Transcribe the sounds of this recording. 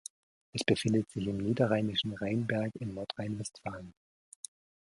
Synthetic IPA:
ʔɛsb̥əfɪndətz̥ɪçɪmniːdɐʁaɪnɪʃn̩ʁaɪnbɛɐkɪnːɔɐtʁ̥aɪnvɛstfaːlən

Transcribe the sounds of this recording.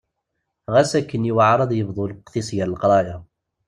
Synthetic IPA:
ʁæsækːəniwaʕɾˤɑd̪ˤjəbðˤulqθisjaɾəlqɾˤɑja

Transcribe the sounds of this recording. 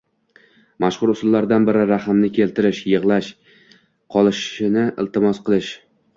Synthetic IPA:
maʃχʊɾʊsʊlˠːaɾd̪anbɪɾɪɾaχɨmnɪkʲʰe̞lt̪ʰɪɾɪʃjɨʁlˠaʃ | qʰɒlˠɪʃɪnɪɪlt̪ɪmɒsqɨlˠɪʃ

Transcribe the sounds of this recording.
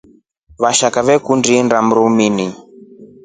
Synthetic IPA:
βaʃakaβɛkundindam̩ɾumini

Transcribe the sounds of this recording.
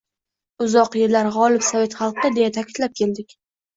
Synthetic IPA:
ʊzɒqjeɾlaɾʁɒlɪpsave̞t̪χɑlˠqʰɨd̪e̞jat̪ʰakʲʰɪd̪lap̚kʲʰe̞ld̪ɪkʲ

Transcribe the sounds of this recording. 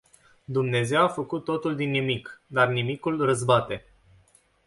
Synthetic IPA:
d̪umne̞ze̞wafəkut̪ːo̞t̪uld̪inːimikd̪arnimikulrəzbat̪e̞

